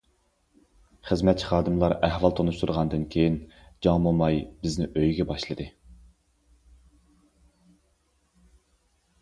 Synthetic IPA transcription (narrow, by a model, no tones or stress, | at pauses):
χəzmɛt̪̚t͡ʃʰiχɑːd̪ɨmlˠɑɾɛhvɑlˠt̪ʰonuʃt̪ʰuɾʁɑnd̪ɨnkʲʰejind͡ʒɑŋbomɑjbɪznɪʔøjɡʲɛbɑʃlˠɨd̪ɨ